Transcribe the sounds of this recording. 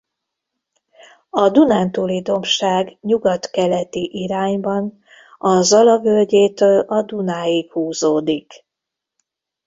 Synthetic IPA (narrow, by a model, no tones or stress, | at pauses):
ɒd̪unaːnt̪uːlid̪o̞mʃaːɡɲuɡɒt̪kɛlɛt̪iʔiɾaːɲbɒn | ɒzɒlɒvølɟeːt̪øːlɒd̪unaːjikhuːzoːd̪ik